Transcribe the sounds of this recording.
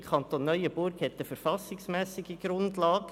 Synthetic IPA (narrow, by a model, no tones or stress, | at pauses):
kʰɑnt̪onːœʏəb̥ʊɾkhɛt̪ːəfəɾfɑsɪŋsmɛːsɪɡəɡɾʊndlɑːɡ̥